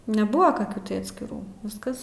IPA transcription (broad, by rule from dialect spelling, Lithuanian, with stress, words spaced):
nʲɛˈbʊʋoː kɐˈkʲuː tɐɪ ɐtʲsʲkʲɪˈruː ˈʋʲɪskɐs